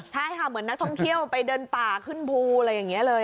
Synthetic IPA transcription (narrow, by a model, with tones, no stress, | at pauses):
t̪ʰa˥˩˥kʰa˥˩mɯ˩˦ənːa˦˥k̚t̪ʰɔ˥˩ŋt̪ʰi˥˩əwpa˧jdɤː˧npaː˨˩kʰɯ˥˩npʰuː˧ɾjːaː˨˩ŋːi˦˥ɐlɤː˧j